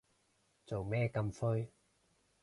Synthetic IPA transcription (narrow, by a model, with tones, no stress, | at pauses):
t͡so˨wmɛː˥kɐ˧mfɵ˥ɥ